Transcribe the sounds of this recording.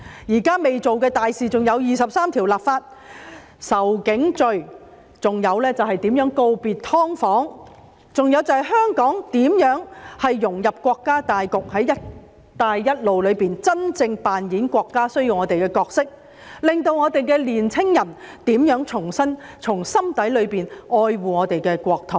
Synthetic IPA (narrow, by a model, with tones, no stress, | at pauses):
jiː˨˩kaː˥me˨jt͡so˨wkɛː˧t̪aː˨jsiː˨t͡sʊ˨ŋjɐ˨˧wjiː˨˩sɐ˨p̚saː˥mt̪ʰi˨˩wlaː˨p̚faː˧t̚ | sɐ˨˩wkɪ˨˥ŋt͡sɵ˨ɥ | t͡sʊ˨ŋjɐ˨˧wlɛː˥t͡sɐ˨wɦɐ˨jt̪iː˨˥mjœː˨˥ŋko˧wpiː˨t̚t̪ʰɔː˥ŋfɔː˨˥ŋ | t͡sʊ˨ŋjɐ˨˧wt͡sɐ˨whɐ˨˧jɦœː˥ŋkɔː˨˥ŋt̪iː˨˥mjœː˨˥ŋhɐ˨jːʊ˨˩ŋjɐ˨p̚kʷɔː˧kːaː˥t̪aː˨jkʊ˨k̚hɐ˨˥jɐ˥t | t̪ːaː˨jːɐ˥t̚lo˨wlɵ˨˧ɥpiː˨nt͡sɐ˥nt͡sɪ˧ŋpaː˨njiː˨˥nkʷɔː˧kːaː˥sɵ˥ɥji˧wŋɔː˨˧t̪e˨jkɛː˧kɔː˧k̚sɪ˥k̚ | lɪ˨ŋt̪o˧wŋɔː˨˧t̪e˨jkɛː˧liː˨˩nt͡sʰɪ˥ŋjɐ˨˩nt̪iː˨˥mjœː˨˥ŋt͡sʰʊ˨˩ŋsɐ˥nt͡sʰʊ˨˩ŋsɐ˥mt̪ɐ˨˥jlɵ˨˧ɥpiː˨nɔː˧jwuː˨˩ŋɔː˨˧t̪e˨jkɛː˧kʷɔː˧k̚t̪ʰo˨˩w